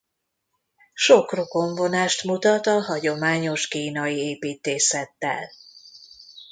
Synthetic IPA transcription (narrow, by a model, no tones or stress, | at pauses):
ʃo̞kro̞ko̞ɱvo̞naːʃt̪mut̪ɒt̪ɒɦɒɟo̞maːɲo̞ʃkiːnɒieːpiːt̪eːsɛt̪ːɛ̰l